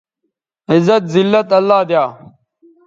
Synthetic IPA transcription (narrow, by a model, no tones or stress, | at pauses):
ɪzɐt̪̚zilːɐt̪ɐlːaːd̪jaː